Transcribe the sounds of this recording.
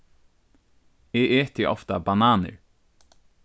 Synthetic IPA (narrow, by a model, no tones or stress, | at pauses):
eʔeːt̪ɪʔɔ̰ft̪abanaːnə̰ɹ